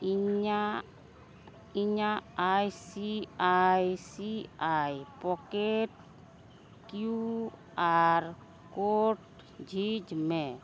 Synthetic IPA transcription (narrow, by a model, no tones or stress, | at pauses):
ia | iɲaajsiajsiajpɔkeʈ̚ | kju | aɾ | koʈ | d͡ʒʱid͡ʒmẽ